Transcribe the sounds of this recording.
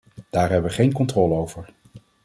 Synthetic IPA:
d̥aːɹɦɛbəʋəχejnkɔntrɔːləowvəɹ

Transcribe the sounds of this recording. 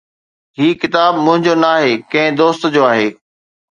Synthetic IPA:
ɦiːkɪt̪aːbmʊ̃ɦɪ̃ɲd͡ʑonɐaːɦeːkɐ̃ɦɪ̃d̪oːst̪d͡ʑoːaːɦeː

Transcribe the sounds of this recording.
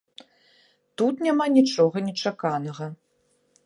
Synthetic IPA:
t̪ut̪nʲamanʲit͡ʂɔɣɐnʲɛt͡ʂakanɐɣɐ

